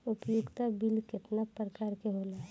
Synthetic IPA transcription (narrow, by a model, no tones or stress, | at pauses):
ʊpjʊɡt̪abilkɪʈnapːɾəkaːɾkeɦoːlaɦ